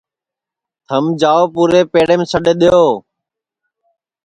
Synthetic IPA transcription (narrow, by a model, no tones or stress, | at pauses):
t̪ʰəmd͡ʒaːoːpuːɾeːpeːɽeːmsəɗeːɗ̪ɪjoː